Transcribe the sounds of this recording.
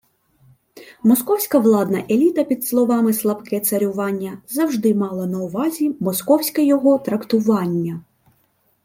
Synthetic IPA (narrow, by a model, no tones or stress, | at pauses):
mɔskɔwsʲkɐʋlˠɑd̪nɐʔelʲit̪ɐpʲid̪slˠɔʋɑmɪslˠɐbkɛt̪sɐɾʲʊʋɑnʲːɐzɐwʐd̪ɪmɑlˠɐnɐʊʋɑzʲimɔskɔwsʲkɐjɔɦɔt̪ɾɐkt̪ʊʋɑnʲːɐ